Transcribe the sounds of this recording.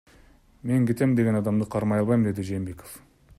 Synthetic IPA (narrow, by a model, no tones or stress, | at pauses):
me̞ŋkʲʰet̪e̞mnd̪e̞ɡʲenɑd̪ɑmd̪əqʰɑɾmɑjɑlˠbɑjmmd̪e̞d̪ɪʒejːmbekof